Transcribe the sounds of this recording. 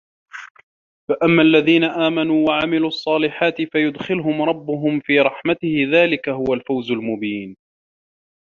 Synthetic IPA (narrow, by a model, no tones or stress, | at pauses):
faʔamːaʔlːaðiːnaʔaːmanuːwaʕamɪluːʔɑsˤːɑːlɪħaːt̪ɪfajʊd̪xɪlɦʊmɾˤɑbːʊɦʊmfiːɾˤɑħmat̪ɪhɪðaːlɪkaɦʊwalfawzʊlmʊbiːn